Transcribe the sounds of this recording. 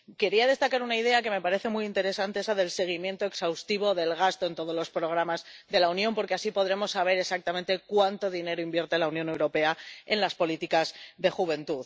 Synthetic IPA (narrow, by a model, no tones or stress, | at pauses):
ke̞ɾiað̞e̞st̪akaɾunaið̞e̞ake̞me̞paɾe̞θe̞mujint̪e̞ɾe̞sant̪e̞esaðe̞lse̞ɣ̞imje̞nt̪o̞eksawst̪iβo̞ðe̞lɣ̞ast̪o̞e̞nt̪o̞ð̞o̞zlo̞spɾo̞ɣ̞ɾamazðe̞launjõmpo̞ɾke̞asipo̞ðɾe̞mo̞sːaβ̞e̞ɾe̞sak̚t̪amẽnt̪e̞kwant̪o̞ðine̞ɾoimbje̞ɾt̪e̞launjõ̞ne̞wɾo̞pe̞ae̞nlaspo̞lit̪ikazðe̞xuβ̞e̞nt̪uð